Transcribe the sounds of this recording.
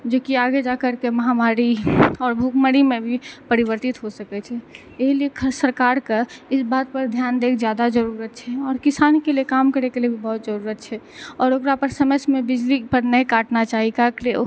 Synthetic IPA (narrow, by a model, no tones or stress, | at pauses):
d͡ʒoːkiaːɡed͡ʒakəɾkeməɦamaːɾiɔːɾbʱukməɾimẽbʱipəɾɪbəɾt̪ɪt̪ɦosəkɛt͡ʃʰɛ | eɦliekʰəɾsəɾkaːɾkaɪsbaːd̪̚pəɾd̪ʱjaːnd̪eːkʰd͡ʒjaːd̪ad͡ʒəɾuɾət̪t͡ʃʰɛɔːɾkɪsaːnkelijekaːmkəɾekeliebʱibɐɦʊt̪d͡ʒəɾuɾət̪̚t͡ʃʰɛ | ɔːɾokɾapəɾsəməsmẽbɪd͡ʒlipəɾnəĩkaːʈnat͡ʃaːɦikakle